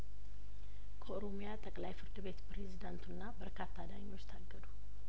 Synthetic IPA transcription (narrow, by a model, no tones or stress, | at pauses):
kʰəoɾo̞mijat̪ʼəkʼlajfɨɾd̪ɨβe̞t̪pɾe̞zid̪ant̪ʰunːabəɾkʰat̪ʰːad̪aɲːo̞t͡ʃːt̪ʰaɡːəd̪u